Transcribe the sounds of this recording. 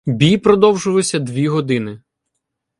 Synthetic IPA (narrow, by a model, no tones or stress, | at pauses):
bʲijpɾɔd̪ɔwʒʊʋˠʊsʲɐd̪ʋʲiɦɔd̪ɪnɪ